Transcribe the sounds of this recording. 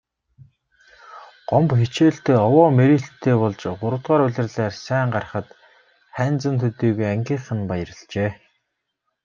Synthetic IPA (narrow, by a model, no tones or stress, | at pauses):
ɢ̥ɔmpxet͡ɕeːɬt̪eːɔwɔːmeɾiːɬt̪ʰːeːpɔɮt͡ɕɢʊɾə̆wt̪ʁaːɾʊɮʲɪ̆rɮæːrsæːɴɢar̆χə̆t̪ | χæːnt͡sə̆nt̪ʰut̪iːɣujæŋɡʲiːɴχɘ̆npajə̆rə̆ɮt͡ɕeː